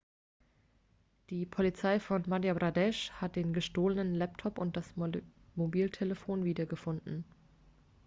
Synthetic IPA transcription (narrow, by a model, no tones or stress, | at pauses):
d̥iːpʰolit͡saɪfɔnmaʁjabʁadɛʃhat̚d̥eːnɡəʃtoːlənənlɛp̚tʰɔpʊnt̚d̥asmobiːltʰeləfoːnviːdɐɡəfʊndn̩